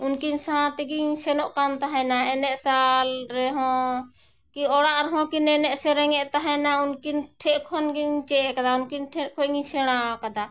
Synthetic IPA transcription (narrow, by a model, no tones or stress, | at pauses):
unkinsãt̪ɛɡiɲsɛnɔʔkant̪aɦɛnaɛnɛʔsalɾɛɦɔ̃ | kiɔɽaʔɾɛɦɔ̃kinɛnɛʔsɛɾɛŋɛʔt̪aɦɛnaunkinʈʰɛʔkʰɔnɡiɲt͡ʃɛɛkad̪aunkinʈʰɛʔkʰɔŋisɛɽ̃akad̪a